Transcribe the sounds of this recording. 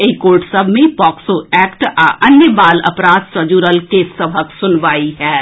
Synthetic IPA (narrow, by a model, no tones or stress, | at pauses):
eikoːɾʈsəbʱmẽpɔːksoɛːkʈaʔənjəbaːlə̰pɾaːd̪səd͡ʒuːɾəlkessəbʱəksʊnʋaːiɦɛː